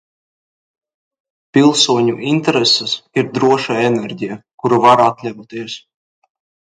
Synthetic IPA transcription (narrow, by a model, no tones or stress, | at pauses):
pilˠsuɔɲuʔint̪ɛɾesɛsiɾd̪ɾuɔʃaenɛɾʲɟʲijakuɾuvaɾat̪lʲavut̪iɛs